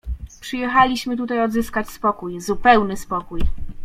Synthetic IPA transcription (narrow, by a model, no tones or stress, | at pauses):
pʂɘjɛxalʲiɕmɘt̪̬ut̪ajɔd̪zɘskat͡ɕspɔkujzupɛwnɘspɔkuj